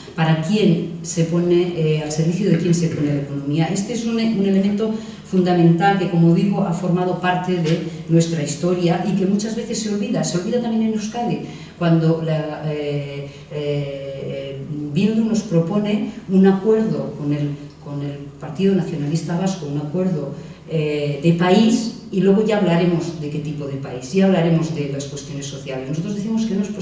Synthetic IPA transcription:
paɾakje̞nse̞po̞ne̞alse̞ɾβ̞iθjoðe̞kje̞nse̞po̞neleko̞nõmiaʔe̞st̪eesunune̞le̞mẽnt̪o̞ | fund̪amẽnt̪alke̞ko̞mo̞ðiɣ̞oʔafo̞ɾmað̞o̞paɾt̪e̞ðe̞nwe̞st̪ɾaist̪o̞ɾjaʔike̞mut͡ʃazβe̞θe̞sːe̞o̞lβiðaseo̞lβiðat̪amjeneneskale | kwand̪o̞la | bjend̪uno̞spɾo̞po̞ne̞unakwe̞ɾðo̞ko̞ne̞lko̞ne̞lpaɾt̪iðonaθjo̞nalist̪aβ̞askounakwe̞ɾðo̞ | eðe̞pais | ilwe̞ɣ̞o̞ʝaːβlaɾe̞mo̞zðe̞ke̞t̪ipo̞ðe̞paisʝaaβ̞laɾe̞mo̞zðe̞laskwest̪jo̞ne̞sːo̞θjalesnsot̪ɾozðeθimo̞ske̞noep

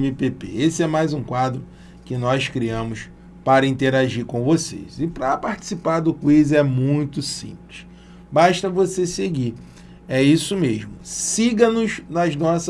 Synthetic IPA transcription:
mipepḛesɪɛmajzũkwad̪ɾʊ | kɪnɔskɾiɐ̃mʊs | paɾɐĩnt̪eɾaʒiɾkõw̃vosḛjzɪpɾɐpaɾt͡ʃi̥sipaɾd̪ʊkwizɛmũj̃t̪ʊsḭ̃plɪʃ | baʃt̪ɐvoseseɡiɾ | ɛisʊmeʒmʊsiɡɐnʊznɐznɔsɐ

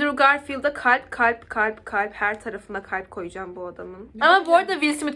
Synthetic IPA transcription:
ɾuɡaɾfilˠd̪akʰalʲpkʰalʲpkʰalʲpkʰalʲphæɾt̪ʰaɾafɯnd̪akʰalʲp̚kʰo̞jad͡ʒaːmbuad̪amɯnamamboɾd̪aviɾsimi

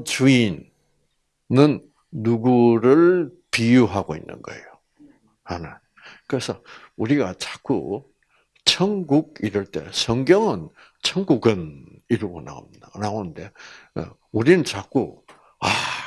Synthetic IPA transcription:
t͡ɕuin | ɯnː | uɡuɾɯɭ | pijuɦaɡoḭnːɯ̰nɡʌ̰ḛjo | hanɯn | kɯɾesʰʌ | uɾiɡat͡ɕḁk͈u | t͡ɕʰʌŋɡuɡ̚iɾɯɭt͈e̞̰sʰʌŋɡjʌŋɯn | t͡ɕʰʌŋɡuɡɯniɾɯɡona̰o̰midanaonɯnde̞̰ | uɾinɯnt͡ɕak͈ṵ | a

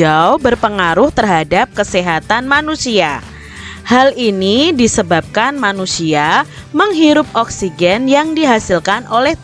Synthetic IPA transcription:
aubərpəŋaɾʊht̪ərɦadap̚kəseɦat̪anmanusia | halinidisəbap̚kanmanusia | məŋɦiɾʊp̚ɔksiɡɛnjaŋdiɦasilkanolɛh

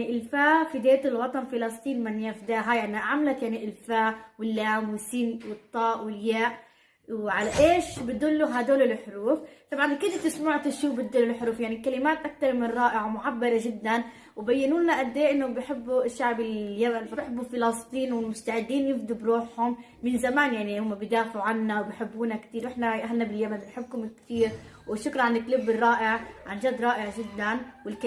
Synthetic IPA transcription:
iʔɪlfaːfid̪eːt̪ɪlwɑt̪ˤɑnfɪlɑst̪ˤiːnmɪnjafd̪aːɦajaʕniʕamlat̪jaʕniʔɪlfaːwɪlːaːmwɪsːiːnwɨt̪ˤːɑːʔwɪljaːʔ | wʕalaʔeːʃbɪd̪ulːuɦad̪oːlɪlħʊɾuːft̪ˤɑbʕankɪd̪at̪ɪsmuːʕat̪ɪʃːuːbɪt̪̚d̪ulɪlħʊɾuːfjaʕnikalɪmaːt̪ʔak̚t̪ɑɾˤmɪnɾˤɑːʔɪʕamʊʕabːɑɾˤɑʒɪd̪ːan | wbajːɪnuːnaʔad̪ːeːʔɪnːʊbjħɪbːuʔɪʃːaʕbɪljamanbħɪbːufɪlɑst̪ˤiːnwɪlmʊst̪aʕɪd̪ːiːnjɪfd̪ʊbɾuːħhʊmː | ɪnzamaːnjaʕnihʊmːabɪjd̪aːfʕuʕanːawbɪħɪbːuːnakt̪iːɾwʔɪħnaʔaɦalnabɪljamanbħɪbːhʊmɪkt̪iːɾ | wɪʃːʊklʕanɪklɪbːɪrˤːɑːʔɪʕʕanʒad̪ːɾˤɑːʔɪʕʒɪd̪ːanwɪlk

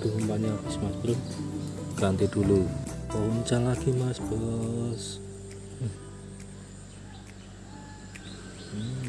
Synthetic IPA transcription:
d̥̪ʊhŋəmpaɲakismasbɾʊ | kɾant̪id̪̥uluɔwuɲt͡ʃallaɡ̥imasb̥ɔs | m̩

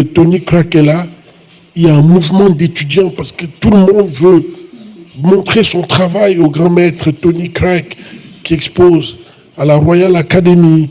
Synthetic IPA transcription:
t̪onikχakɛla | iljaɛ̃muvmɑ̃d̪et̪yd̪jɑ̃paʁsə̥kət̪uləmɔ̃d̪vø | mɔ̃t̪χesɔ̃t̪χavajoɡʁɑ̃mɛt̪χət̪onikχakːiɛkspoz | alaʁwajalakad̪emi

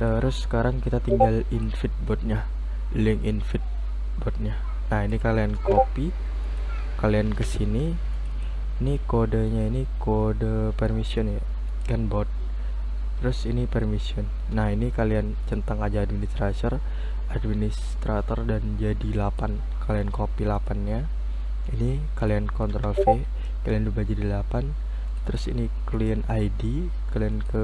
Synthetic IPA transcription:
t̪əɾʊsːə̥kaɾaŋkit̪at̪iŋɡalinfɪt̪̚bɔt̪̚ɲa | lɪŋʔinfɪt̪̚ | bɔt̪̚ɲa | naɦinikaliankopi | kaliankəsini | nikodəɲainikodəpɛrmisiɔnja | ɡanbɔt̪̚ | t̪əɾʊsinipɛrmisiɔnːahinikalian | t͡ʃənt̪aŋad͡ʒaːd̚minist̪ɾasɔr | ʔad̚minis | t̪ɾat̪ɔrdand͡ʒadilapan | kaliankopilapanɲa | ini | kaliankɔnt̪ɾɔlfe | kaliandubad͡ʒadilapan | t̪əɾʊsḭni | kliənajdi | kaliənkə

